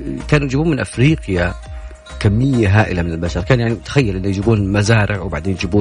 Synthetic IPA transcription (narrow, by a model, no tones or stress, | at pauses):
kaːnujd͡ʒɪbuːnmɪnʔafɾiːqja | kamːɪjːaɦaːʔɪlamɪnɪlbaʃɑɾˤkaːnjaʕnit̪ḁxajːalʔɪnːujd͡ʒɪbuːnlmazaːɾɪʕwbaʕd̪eːnjɪd͡ʒɪbuː